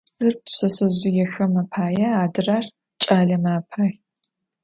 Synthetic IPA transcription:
sɨrpsɐsɐzʊjɛxɐmɐpʰaːjɐaːdɨraːr | t͡ʃʼaːɮɐmaːpʰaːj

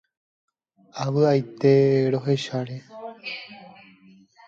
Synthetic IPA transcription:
aʋɨajt̪e̞ɾo̞ɦe̞ʃaɾe

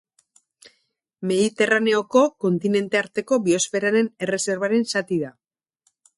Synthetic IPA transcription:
me̞ðit̪e̞rane̞o̞ko̞ko̞nt̪ine̞nt̪e̞aɾt̪e̞ko̞βio̞sfe̞ɾaɾe̞ne̞re̞se̞ɾβaɾe̞nsat̪iða

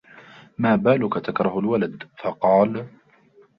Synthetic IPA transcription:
maːbaːlʊkat̪akɾˤɑhalwalad̪fɑqɑːl

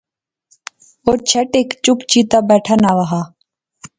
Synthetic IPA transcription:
oːɾt͡ʃʰəʈeːkt͡ʃʊpt͡ʃiːt̪aːbɛːʈʰaːnaːʋaɦaː

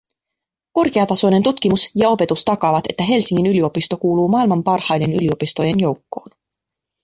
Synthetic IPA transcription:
ko̞rkeɑt̪ɑso̞jne̞nt̪ut̪k̟imusjɑo̞pe̞t̪ust̪ɑkɑːʋɑt̪e̞̰t̪ːæɦe̞lsiŋːinylio̞pist̪o̞kuːluːmɑːilmɑmpɑrhɑjde̞ny̰lio̞pist̪o̞je̞njo̞wkːo̞̰ːn

